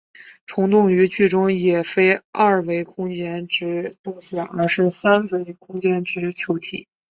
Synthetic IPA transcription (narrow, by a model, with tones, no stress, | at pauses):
ʈ͡ʂʰʊ˧˥ŋt̪ʊ˥˩ŋy˧˥t͡ɕy˥˩ʈ͡ʂʊ˥ŋjɛ˨˩fe˥ɪa˥˩we˧˥ɪkʰʊ˥ŋt͡ɕjɛ˥nʈ͡ʂɻ̩˧˥t̪ʊ˥˩ŋɕɥɛ˨˩˦nə˞˧˥ʂɻ̩˥˩sa˥nwe˧˥ɪkʰʊ˥ŋt͡ɕjɛ˥nʈ͡ʂɻ̩˧˥t͡ɕʰjo˧˥ʊt̪ʰi˨˩˦